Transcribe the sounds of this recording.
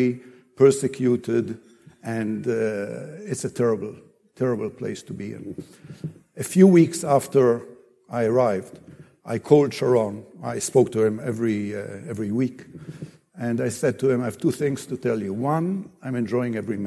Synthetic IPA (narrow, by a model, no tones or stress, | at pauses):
ipʰɜ˞sɨkʰjutɪd | ɨ̃nd | ɪtsətʰɛɹəbl̩ˠ | tʰɛɹəbl̩ˠpʰlḛɪstubiɪ̰̃n | ɨfjuwiksæftə˞ | aɪəɹaɪvd | ʔaɪkʰoʊldʃəɹɔ̃na̰ɪspoʊk̚tuɪ̃mɛvɹiɛvɹiwik | ɨ̃naɪsɛd̚tʰuɨ̃maɪv̥tʰuθɪ̃ŋstutʰɛlˠjuwʌ̃nãɪ̃mɛ̃nd͡ʒɔɪɪ̃ŋɛvɹim